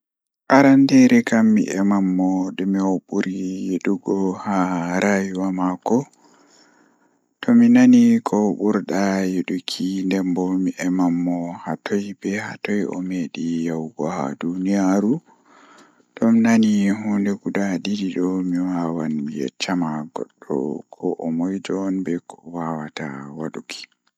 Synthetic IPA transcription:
ʔaɾandɛɾɛkamːḭʔɛmamːɔdɛmiwoɓuɾijeɗuɡɔhaɾajuwamakɔ | tɔminanikʰɔɓuɾɗajeɗukʰindɛmbɔmiʔɛmamːɔhatʰɔjbɛhatɔjɔ̰meɗijawɡɔha̰dunijaɾu | tɔmnanihɔndɛɡudadidiɗɔmiwawanijɛ̰t͡ʃːamaɡɔ̰ɗːɔ̰kʰɔʔɔmɔjd͡ʒɔnbɛkɔwawata̰waɗukʰi̥

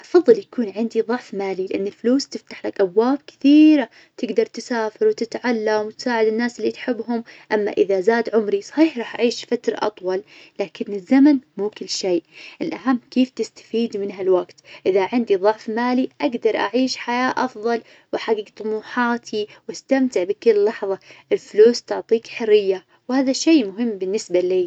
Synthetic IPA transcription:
ʔɑfɑðˤːɨljakuːnʕɪnd̪iðˤʊʕfmaːlilɪʔanːɪlfluːst̪ɪft̪ḁħlakʔabwaːb̚kɪ̥θiːɾa | t̪ɪɡd̪ɑɾˤt̪ɪsaːfɪɾwɪt̪ɪt̪ʕalːamwt̪saːʕɪd̪ɪnːaːsɪlːit̪ħɪbːɦʊmʔamːa̰ʔɪðazaːd̪ʕʊmɾisˤħiːħɾˤɑːħʔaʕiːʃfat̪ɾˤʔɑ̰t̪ˤwɑlːaːkɪnːɪzːamanmuːkɪlːʃeːʔʔɪlʔaɦamːkeːft̪ɪst̪ḁfiːd̪mɪnɦalwaɡt̪ʔɪðaʕɪnd̪iðˤʊʕfmaːliʔaɡd̪ɑɾˤʔa̰ʕiːʃħajaːʔɑfðˤɑl | wħaɡiːɡt̪ˤʊmuːħɑːt̪ʰiwʔast̪amt̪ɪʕbikɪlːɑħðˤɑʔɪlfluːst̪ʊʕt̪ˤiːkħʊrːɪjːa | whaːðaʃeːmʊɦɪmːbɪnːɪsbaliː

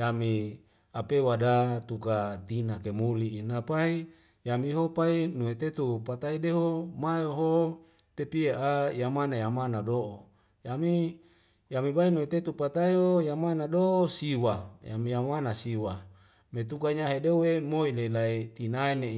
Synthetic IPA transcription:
jami | apewadat̪ukat̪inakemuliːnapai | jamiɦopainuet̪et̪upat̪aideɦomajoɦo | t̪epieʔajamanajamanadoʔo | jami | jamibainuet̪et̪upat̪aiɦojamanadoosiwaja̰mijamanasiwa | met̪ukaɲaɦedeuwemoilelait̪inaine

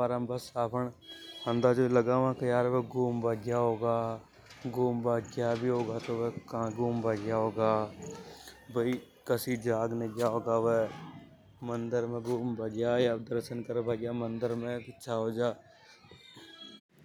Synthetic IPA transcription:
aːɾãmbəsaːpʰəɳə̃nd̪aːd͡ʒoːləɡaːʋãkəjaːɾʋeɡuːmbʱaːɡjaːɦoːɡaː | ɡuːmbʱaːɡjaːbʱiɦoːɡaːt̪oʋekãːɡuːmbʱaːɡjaːɦoːɡaː | bəi | kəsid͡ʒaːɡnəɡjaːɦoːɡaːʋe | mənd̪əɾmẽɡuːmbʱaːɡjaːjad̪əɾʃənkəɾbʱaːɡjaːmənd̪əɾmẽɪt͡ʃʰaːɦoːd͡ʒaː

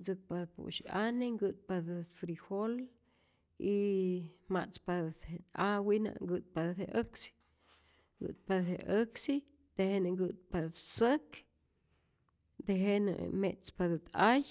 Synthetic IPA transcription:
t͡sɨk̚pad̪pṵʔʃaneŋɡɨt̪̚pad̪ɨfɾihol | i | mat͡spad̪eawina̰ŋɡɨt̪̚paðheʔəksi̥ | ɡɨ̰t̪̚pad̪heʔəksi | d̪̥ehenɨŋɡɨt̪̚pad̪sək | d̪eɦenɨ̰met͡spad̪ɨt̪aj

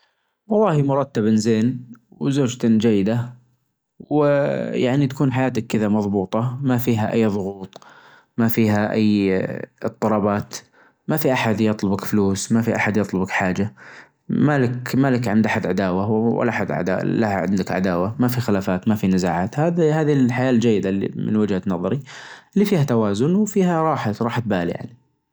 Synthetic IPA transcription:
wɑlˤːɑːhimʊɾˤɑt̪ːabɪnzeːnwzoːd͡ʒt̪d͡ʒajːɪd̪a | wɪjaʕnit̪ḁkʰuːnħajaːt̪akːɪðamɑðˤbuːt̪ˤɑmafiːɦaʔajːðˤʊɣuːt̪ˤ | mafiːɦaʔa̰jːɨt̪ˤːɑlˤɑːbɑːt̪ | mafiʔaħad̪jɑt̪ˤlʊbakfluːsmafiʔaħad̪jɑt̪ˤlʊbakħaːd͡ʒa | malɪkmalɪkʕɪnd̪ʔaħad̪ʕad̪aːwawa̰lːʔaħad̪ʕa̰d̪a̰lahaʕɪ̰nd̪akʕa̰d̪aːwamafixɪlaːfaːt̪mafinɪzaːʕaːt̪hahaːðilħajaːld͡ʒajːɪd̪alḭmɪ̰nwɪd͡ʒhanɑðˤɑɾiʔɪlːifiːhat̪awaːzʊnwfiːɦaɾˤɑːħaɾˤɑːħt̪̚baːlḭja̰ʕni

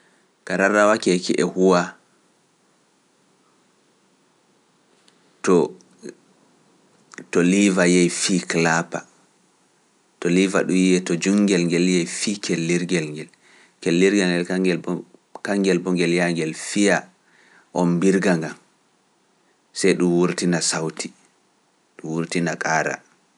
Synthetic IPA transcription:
kaɾaɾawakɛkiʔɛhuwa | tɔ | tɔlivajɛjfiːklapa̰ | tɔliva̰ɗujiɛtɔd͡ʒuŋɡɛlŋɡɛljɛjfikʰelːiɾɡɛlŋɡɛl | kelːiɾɡɛlŋɡɛlaɡɛlkaŋɡɛlbɔŋɡɛljaŋɡɛlfija | ʔɔmbiɾɡaŋɡam | sɛjɗumwuɾtinasawtʰi | ɗumwuɾtinakʼaːɾa̰

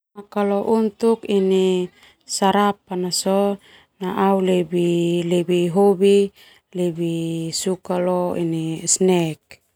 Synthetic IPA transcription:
makalɔʔunt̪ukini | saɾap̚anasɔ | naʔaulebilebiɦobi | lebisukalɔḭnisnɛk̚

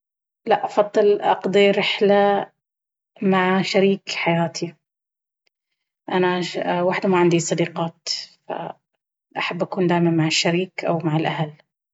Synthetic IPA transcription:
laʔʔɑfɑd̪ˤːɨlʔɑ̰qd̪ˤiɾɪħla | maʕʃaɾiːkħajaːt̪ʰi | ʔanawaːħɪd̪maʕand̪isˤɑd̪iːqɑːt̪fa̰ | ʔaħabːʔakuːnd̪aːʔɪmammaʕɪʃːaɾiːkʔa̰wmaʕɪlʔahal

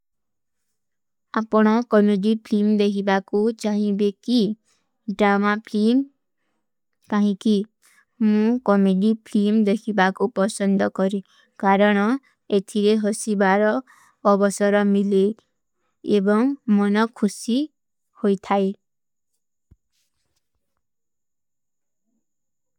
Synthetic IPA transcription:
apɔɽ̃ɔkɔneɖipʰlimd̪ekʰibakut͡ʃaɦĩbeki | ɖɾamapʰlim | kaɦĩki | mũkɔmeɖipʰlimd̪ekʰibakupɔsɔnd̪ʱɔkɔɾi | kaɾʌɽ̃ʌ | et̪ʰiɾeɦʌsibaɾʌː | bʌsʌɾʌmile | ebʌŋmʌnʌkʰusi | hojt̪ʰae

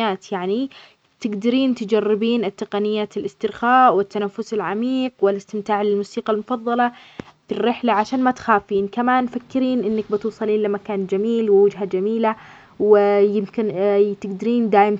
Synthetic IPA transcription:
aːt̪jaʕni | t̪ɪɡd̪aɾiːnt̪d͡ʒarːɪbiːnɪt̪ːɪqɑnɪjːaːt̪ɪlʔɪst̪ɪɾxaːʔwɪt̪ːanafːʊsɪlʕamiːqwɪlɪst̪ɪmt̪aːʕlɪlmuːsiːqɑlmʊfɑðˤːɑlɑfirːɪħlaʕaʃaːnmat̪xaːfiːnkamaːnfakːɪɾiːnʔɪnːak̚bɪt̪uːsˤɑliːnlamakaːnd͡ʒamiːlwɪwad͡ʒɦad͡ʒamiːla | wɪjɪmkɪnt̪ɪɡd̪aɾiːnd̪aːʔɪm

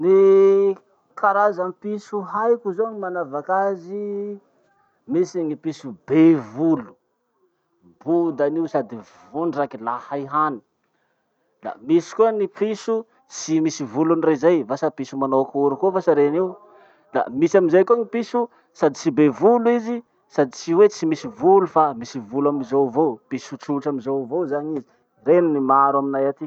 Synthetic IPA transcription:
ni | kʰaɾazampisuɦajkuzoŋimanavakazi | misiŋipisubevulu̥ | bud̪aniusad̪i | vuɳɖ͡ʐakilahajɦani̥ | la̰misi̥kuənipisu | t͡simisivulunrezajvasapisumanoakuɾukovasaɾeniw | d̪a̰misamizajkuaŋipisu | sad̪it͡sibevuluizi | sad̪it͡siwet͡simisivulufamisivulaminzowvopisuʈ͡ʂuʈ͡ʂaminzowvozaɲizi | reninimaɾwaminajat̪i

